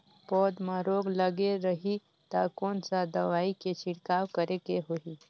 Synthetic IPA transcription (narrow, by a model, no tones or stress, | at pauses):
pɔːd̪mãɾoːɡləɡeɾəɦi | t̪aːkoːnsad̪əʋaːiket͡ʃʰɪɽkaːwkəɾekeɦoi